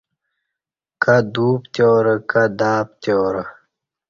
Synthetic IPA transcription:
kad̪uːpt̪joːɾəkad̪aːp̚t̪joːɾə

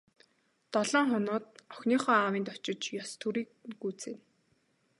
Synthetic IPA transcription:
t̪ɔɮɔːŋχɔnʊːt̪̚ɔxʲniːχœːawiːnt̪ɔt͡ɕɪ̆t͡ɕjɔst̪ʰuɾiːkɡuːt͡seːn

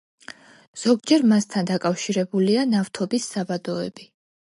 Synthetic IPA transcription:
z̥ɔɡd͡ʒɛɾmast̪ʰand̪akʼafʃiɾɛbulianaft̪ʰɔbisːabad̪ɔɛbi

